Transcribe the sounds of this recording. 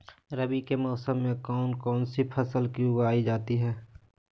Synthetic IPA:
ɾəbikemɔːsəmːẽkɔːnkɔːnsipʰɐsəlkiʊwaːid͡ʒaːt̪iɦɛː

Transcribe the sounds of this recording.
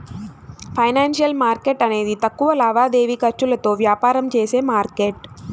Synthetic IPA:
pʰɐjnaːnʂiɐlmaːɾke̞ʈɐne̞ːd̪it̪ɐkːuʋɐlaːʋaːd̪e̞ːʋikɐɾt͡ʃulɐt̪o̞ːʋjaːpaːɾɐmt͡ʃeːseːmaːɾkeːʈ

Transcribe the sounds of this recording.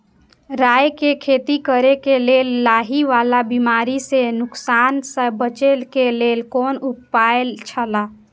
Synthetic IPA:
ɾaːjkekʰeːt̪ikəɾekeleːlːaːɦiʋaːlabimaːɾisenʊksaːnsəbət͡ʃelkeleːlkɔːnupːaelt͡ʃʰəla

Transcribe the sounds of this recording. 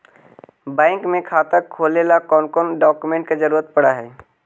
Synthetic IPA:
bɛ̃ːŋkmẽkʰaːt̪əkʰoːlelakɔːnkɔnɖɔːkumẽːɳʈked͡ʒəɾuːɾət̪̚pəɽaɦɛː

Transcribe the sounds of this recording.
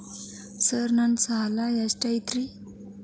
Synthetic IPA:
səɾnansaɦalajasʈajit̪ɾi

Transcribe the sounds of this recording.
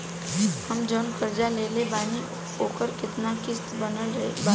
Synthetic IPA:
həmd͡ʒənkəɾd͡ʒalelebaːni | oːkəɾkɪt̪nakɪst̪bənəlɾeba

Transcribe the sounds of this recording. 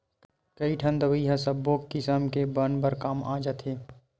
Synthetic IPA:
kɐiʈʰɐ̃nd̪əʋiiɦãsəbːoːkːɪsəmkebənbəɾkaːmaːd͡ʒət̪ʰɦeː

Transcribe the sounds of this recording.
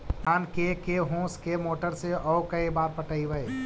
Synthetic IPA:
t̪aːnkekeɦõːskemoːʈəɾseʔɔːʊkəibaːɾpəʈəiʋəe

